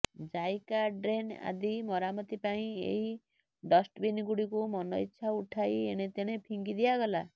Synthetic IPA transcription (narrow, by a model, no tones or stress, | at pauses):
d͡ʒajkaɖɾena̰d̪imɔɾamɔt̪ipaĩḛɦi | ɖɔsʈbinɡuɽikumɔnɔitːʃʰauʈʰajeɽ̃et̪eɽ̃epʰiŋɡid̪ijaɡɔla